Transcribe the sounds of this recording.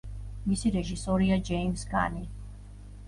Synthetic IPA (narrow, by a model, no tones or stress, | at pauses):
misiɾɛʒisɔɾiad͡ʒɛimsɡʼa̰ni